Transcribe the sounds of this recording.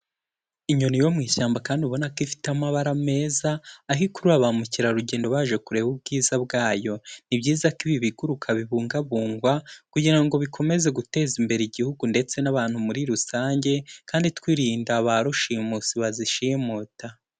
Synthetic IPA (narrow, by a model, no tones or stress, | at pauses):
iɲonijo̞mŋiːʃaːmbakaːndiuβo̞nakifi̥tamaβaɾame̞ːzaːɦikuɾuaβamuciɾaɾuɟe̞ːndo̞βaːʒe̞kuɾe̞βubɡiːzaβɡaːjo̞nibɟiːzakiβiβiɡuɾukʰaβiβuːŋɡaβuːŋɡwakuɟiɾaŋɡo̞βikʰo̞me̞ze̞ɡute̞ːzimbe̞ɾeiɟihuɡunde̞t͡se̞naβaːn̥humuɾiɾusaːɲɟe̞kaːnditkwiːɾiːndaβaɾuʃimusiβaziʃijemota